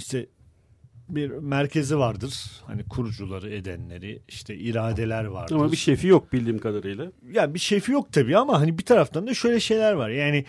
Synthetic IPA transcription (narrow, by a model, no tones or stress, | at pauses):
iʃt̪ʰɛ | biɾmæɾcʰe̞zivaɾd̪ɯɾ̥ha̰nikʰuɾud͡ʒulˠaɾɯe̞d̪ænlʲe̞ɾiiʃt̪ʰɛiɾaːd̪e̞lʲæɾva̰ɾamaɯbiʃefijok̚bilʲd̪iːmkʰad̪aɾɯjlˠa | jabiʃefijo̞k̚t̪ʰabiːamaɦanibit̪ʰaɾaft̪ʰand̪aʃø̞jlʲɛʃe̞jlʲæɾvaɾjaːni